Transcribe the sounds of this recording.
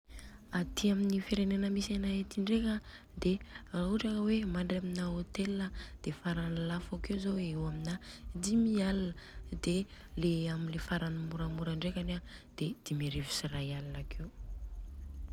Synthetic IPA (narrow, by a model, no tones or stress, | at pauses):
at̪ʰiaminifeɾenenəmisanaet̪iɳɖ͡ʐekʲə | d̪erauʈ͡ʂakəwemaɳɖ͡ʐaminaot̪elinəd̪̥efaɾanalafakewzoewaminad̪imialanəd̪e | leaminlefaɾanamuɾamuɾaɳɖ͡ʐekanad̪̥ed̪̥imeɾevi̥sirajalanakʰe